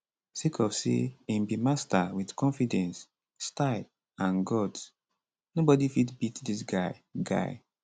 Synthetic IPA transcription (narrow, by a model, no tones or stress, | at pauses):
sikʰɔfsḛĩmbimastawidkɔ̃nfidɛ̃nsː | taɪl | ãnɡɔd | nobɔdifitbitdis̬ɡaɪɡa̰ɪ